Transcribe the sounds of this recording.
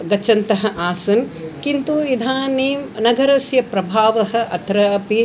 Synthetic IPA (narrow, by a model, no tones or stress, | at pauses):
ɡɐt͡ʃːɐnt̪ɐɦɐ̆ʔaːsɐnkint̪uid̪ʱaːneːmnɐɡɐɾɐsjɐpɾɐbʱaːʋɐɦɐ̆ʔɐt̪ɾɐɐpi